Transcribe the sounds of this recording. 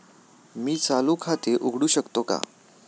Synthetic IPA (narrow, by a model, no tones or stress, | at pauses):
miːt͡salukʰat̪eʔuɡʱɽuːɕəkt̪oka̰